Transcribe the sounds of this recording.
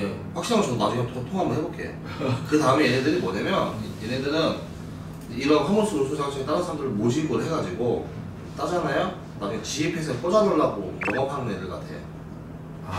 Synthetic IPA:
je | ɸwakɕ͈inaŋɯɭsʰonad͡ʑuɡatʰtʰoŋɦamɯnɦebok͈ʰe̞̰jo̰ | kɯtaɯmejenedɯɾimʌnemjʌnjenedɯɾɯn | iɾʌnɸaŋoɭs͈uɾosʰusʰaŋsʰʌet͈aɾɯnsʰaɾamdɯɾɯɭmoɕʰimɯɾɯɦe̞ɡad͡ʑiɡo | t͈ad͡ʑanajo | nad͡ʑuɡat͡ɕiipʰesʰek͈od͡ʑadoɭːaɡo̰moŋakʰanɯnjedɯɭka̰tʰe̞̰jo̰

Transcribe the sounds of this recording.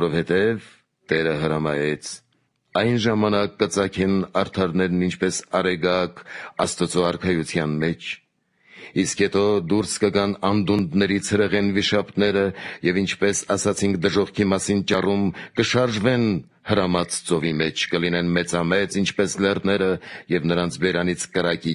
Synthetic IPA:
vɔɾɔvhɛt̪ɛv | t̪ɛɾəɦəɾɑmɑjɛt͡sʰ | ɑjnʒɑmɑnɑkːət͡sɑkʰɛnɑɾt̪ʰɑɾnɛɾnint͡ʃʰpɛsɑɾɛɡɑkɑst̪ət͡sɔɑɾkʰɑjut͡sʰjɑnmɛt͡ʃʰ | iskhɛt̪ɔd̪uɾskəɡɑnɑnd̪und̪nɛɾit͡sʰhəɾɛʁɛnviʃɑp̪nɛɾəjɛvint͡ʃʰpɛsɑsɑt͡sʰiŋk̚ʰd̪əʒɔʁkʰimɑsint͡ʃɑrumkəʃɑɾʒvɛn | həɾɑmɑt͡st͡sɔvimɛt͡ʃʰkəlinɛnmɛt͡sɑmɛt͡sint͡ʃʰpɛslɛrnɛɾəjɛvnəɾɑnt͡sʰbɛɾɑnit͡sʰkəɾɑki

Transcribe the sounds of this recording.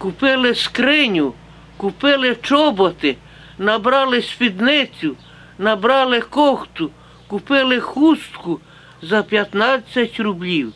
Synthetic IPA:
kupeleskɾɛɲʲu | kupelet͡ʃobot̪ɛ | nabɾalesfid̪nɛt͡s̪ʲu | nabɾalekoxt̪u | kupɛlexust̪ku | zapjat̪nasʲat̪ʲɾublʲiw

